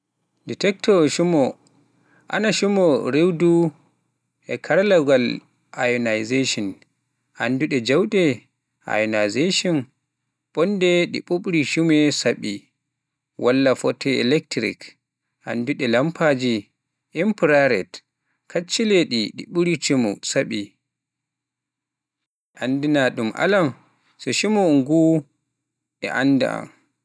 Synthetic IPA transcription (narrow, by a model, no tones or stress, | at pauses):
dɛtɛk̚tɔʃumɔ | ʔa̰naʃumɔɾewdu | ʔɛkʰaɾalaɡal | ʔa̰junajzeʃɔn | ʔa̰nduɗɛd͡ʒawɗɛ | ʔa̰jɔnajzeʃɔn | ɓɔndɛɗḭɓuɓɾiʃumɛsaɓi | wʔalːafɔtʰɛɛ̰lɛk̚tɾḭk | ʔa̰nduɗɛlampʰad͡ʒi | ʔimpɾaɾɛt | kʰat͡ʃːileɗiɗḭɓuɾit͡ʃumṵsaɓi | ʔandinaɗumʔa̰lam | sɔʃimɔŋɡu | ɛ̰ʔanda̰a̰m